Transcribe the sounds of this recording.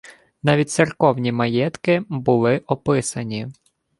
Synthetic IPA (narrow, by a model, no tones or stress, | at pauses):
nɑʋʲit̚ʲtsɪrkɔwnʲimɐjɛt̪kɪbʊlˠɪʔɔpɪsɐnʲi